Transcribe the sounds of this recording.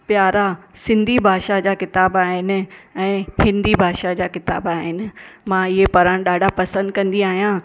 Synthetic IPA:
pjaːɾasɪ̃nd̪ʱibʱaːʃad͡ʑaːkɪt̪aːbaːɦɪnɪ̆ɛ̃ːhɪ̃nd̪ibʱaːʃad͡ʑaːkɪt̪a̰ːbaːɦɪnɪ̆mãːɪɦepɐɾəɽ̃ɗaːɖʱapɐsə̃nd̪kɐ̃nd̪iaːɦijã

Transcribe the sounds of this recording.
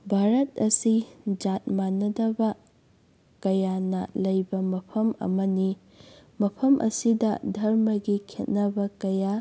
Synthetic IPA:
bʱaɾɐt̚ɐsid͡ʒat̚manːɐdɐbɐ | kɐjanɐlɐjbɐmɐpʰɐmɐ̰mɐni | mɐpʰɐmʔɐ̰sidɐ̰dʱɐɾmɐɡikʰet̚nɐbɐkɐja

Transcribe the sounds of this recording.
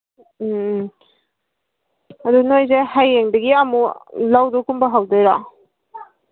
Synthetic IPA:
ɐdunojzehajːeŋdɐɡiɐmulawdɔkumbɐɦawdeɾa

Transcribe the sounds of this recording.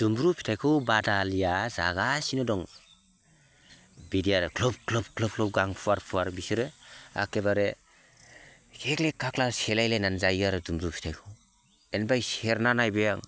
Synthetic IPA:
z̥umbɾupʰi̥tʰajkʰɯwbadalijaza̰ɡasinɔdɔŋ | bidijaɾɯkʰlɔb̚kʰlɔb̚kʰlɔp̚kʰlɔp̚ɡaŋpʰuaɾpʰuaɾbisɯɾɯa̰kebaɾe | kʰeklekʰːaklaselajlananzajaɾɯzumbɾupʰi̥tʰajkʰɯw | enbajseɾnanajbejaŋ

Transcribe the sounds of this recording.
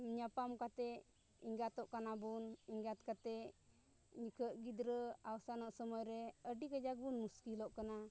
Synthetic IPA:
mɲapamkat̪ɛ | iŋɡat̪ɔʔkanabuniŋɡat̪̚kat̪ɛ | ɲikəʔɡid̪ɾəawsanɔʔsəmɔjɾɛəɖikəd͡ʒak̚bunmuskilɔʔkana

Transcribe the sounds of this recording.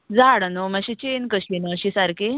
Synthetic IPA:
d͡zaɽənomãɕit͡ɕenkəɕinəɕisaɾke

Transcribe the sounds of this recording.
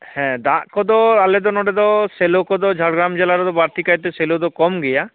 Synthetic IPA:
hɛ̃d̪aʔkɔd̪ɔaled̪ɔnɔɖed̪ɔselokɔd̪ɔd͡ʒʱaɽɡɾamd͡ʒelaɾɔd̪ɔbaɾt̪ikajt̪eselod̪ɔkɔmɡɛja

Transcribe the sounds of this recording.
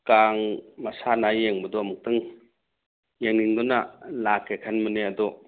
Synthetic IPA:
kaŋmasanajeŋmɯd̪ɔmɯk̚t̪ɯŋ | jaŋniŋd̪ɔnalakʰːekʰanmɯnead̪ɔ

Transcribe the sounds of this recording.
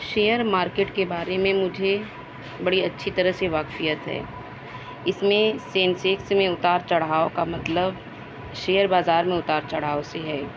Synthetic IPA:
ʃeːjəɾmaːɾkeːʈkebaːɾemẽmʊd͡ʒʱe | bɐɽiɐtːʃʰit̪ɐɾəɦseʋaːkfijət̪ɦɛ̰ː | ɪsmẽsẽːnsɪksmẽʊt̪aːɾt͡ʃɐɽ̤aːokamɐt̪ləb | ʃeːəɾbaːzaːɾmẽʊt̪aːɾt͡ʃɐɽ̤aːoseɦɛː

